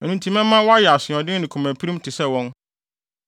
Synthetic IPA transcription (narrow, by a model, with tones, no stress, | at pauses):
ɛ˨nũ˨ntʰĩ˦mɛ̃˦ã˦wɔ˦a˦jɛ˨a˨sɪ̃˨ɔ̃˨dɪ̃˦n˦nɪ̃˨kʰu˨mæ̃˨pʰi˦ɾi˦m˦tʰɪ˨sɛ˦˨wɔ̃˦n